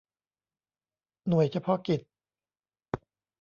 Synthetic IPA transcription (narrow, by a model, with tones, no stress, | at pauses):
nu˨˩əjt͡ɕʰa˧pʰɔ˦˥ki˨˩t̪̚